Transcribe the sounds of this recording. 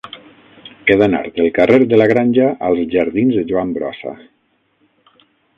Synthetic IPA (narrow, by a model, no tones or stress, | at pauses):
keðana̰ɾt̪d̪əlˠkareɾd̪əlaɣ̞ɾanʲʒaʔalˠzʒaɾðinzðəʒuambɾɔ̰sa̰